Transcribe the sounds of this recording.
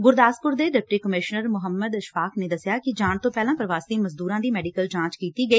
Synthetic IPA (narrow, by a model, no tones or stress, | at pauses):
ɡʊɾd̪aːspʊɾd̪eːɖɪp̚ʈiːkəmɪʃnəɾmʊɦəmːəd̪ɪʃʋaːkʰneːd̪əsjaːkɪd͡ʒaːɳt̪õːpɛːlãːpəɾʋaːst̪iːməzd̪uːɾãːd̪iːmɛːɖɪkəld͡ʒãːt͡ʃkiːt̪iːɡəiː